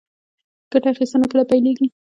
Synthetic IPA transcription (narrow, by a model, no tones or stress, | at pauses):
ɡ̥aʈaaxist̪ənakəɽapajleɡi